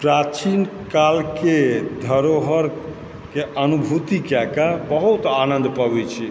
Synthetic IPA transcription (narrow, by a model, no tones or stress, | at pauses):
pɾat͡ʃinkalked̪ʱəɾoɦəɾ | keʔənubʱut̪ikɛkabəɦut̪anə̃nd̪pəbɛt͡ʃʰi